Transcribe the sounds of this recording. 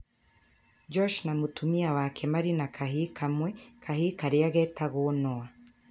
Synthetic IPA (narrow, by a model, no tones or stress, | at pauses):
d͡ʒɔʃnamutumiawakʰemaɾinakʰahikʰamwekʰahikaɾiaɣɛtaɣonoa